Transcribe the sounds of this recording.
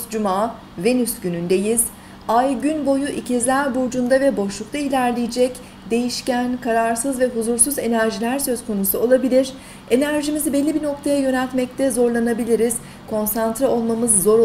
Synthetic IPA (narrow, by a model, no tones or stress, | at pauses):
d͡ʒumaː | ve̞nysɟynynd̪e̞jiz | ajɟynbo̞juʔicʰizlʲæɾbuɾd͡ʒund̪avɛbo̞ʃlˠuk̚t̪ʰailʲæɾlʲejid͡ʒɛc | d̪e̞jiʃcænkʰaɾaɾsɯzvɛɦuzuɾsuze̞næɾʒilʲæɾsø̞z̥kʰo̞nusuo̞lˠabilʲiɾ̥ | e̞næɾʒimizibɛlʲːibino̞k̚t̪ʰajajø̞nɛlʲt̪mɛc̚t̪ʰɛzo̞ɾlˠanabilʲiɾiz̥ | kʰo̞nsant̪ɾao̞lˠmamɯzːo̞ɾ